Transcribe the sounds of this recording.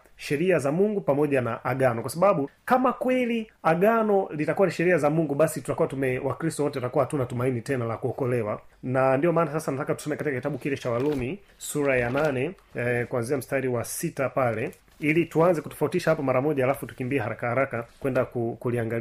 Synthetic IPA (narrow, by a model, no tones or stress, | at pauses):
ʃɛɾiazamuŋɡupamɔʄanaʔaɠanɔkwasaɓaɓukamakwɛliaɠanɔlitakuwaniʃɛɾiazamuŋɡuɓasitu̥takuwatumɛwakɾistɔwɔtɛatakuwahatunatumainitɛnalakuɔkɔlɛwa̰nandiɔmaːnasasanatakatu̥sɔmɛkatikakitaɓukilɛt͡ʃawalumi | suɾajananɛ | kuanziam̩staɾiwasitapalɛ | ilituanzɛkutɔ̥fautiʃahapɔmaɾamɔʄaːlafutu̥kimbiɛhaɾakahaɾakakwɛndakukuliaŋɡal